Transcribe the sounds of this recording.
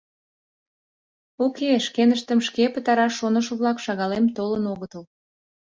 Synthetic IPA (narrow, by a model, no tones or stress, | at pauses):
okeʃkenəʃt̪əmʃkepət̪ɑɾɑʃonəʃəβlɑkʃɑɣɑlemt̪olənoɣət̪əl